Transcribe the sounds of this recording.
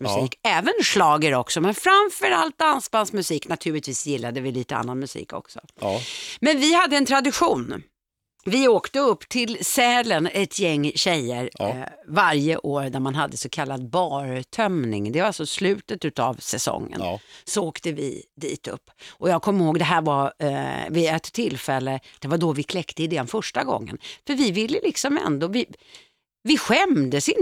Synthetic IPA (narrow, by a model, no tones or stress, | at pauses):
msiːkɛːvənʂlɑːɡəɾɔksɔmɛnfɾamfœɾalt̪̚d̪ansbansmɵsiːknat̪ʰʉ̟ːɭɪt̪viːsjɪlːad̪əvɪliːt̪əa̰nːanmɵsḭːkʰɔ̰ksɔ̰ | mɛnvɪhad̪ːəɛnt̪ʰɾad̪ɪɧuːn | vɪoːkt̪əɵpːt̪ʰɪlsɛːlənɛt̪ʰjɛŋːɕɛjːəɾvaɾjəʔoːɾd̪æɾmanɦad̪ːəsɔkʰalːad̪̚bɑːɾt̪ʰœmnɪ̰ŋd̪ɛvaɾalsɔslʉ̟ːt̪ət̪ʉ̟t̪avsɛsɔ̰ŋːə̰nsɔoːkt̪əvɪ̰d̪ḭːt̪ɵ̰pːʔɔjɑːɡ̚kʰɔmːɪɾhoːɡd̪ɛɦæːɾva | vɪɛt̪ʰːɪlfɛlːəd̪̥ɛvaɖ̪ɔvɪkʰlɛkt̪əɪd̪ɛnfœʂʈaɡɔ̰ŋːə̰nfœɾvɪvɪlːəlɪksɔmɛ̰nd̪oːvɪ | vɪɧɛmd̪əsɪn